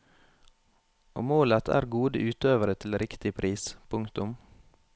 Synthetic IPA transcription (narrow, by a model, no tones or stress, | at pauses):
ʔo̰ːmoːlət̪ʰæ̰ːɾɡuːd̪əʔʉːt̪øːʋəɾət̪ʰɪlɾɪkt̪ɪpʰɾʔiːspʰʊŋkt̪ʊm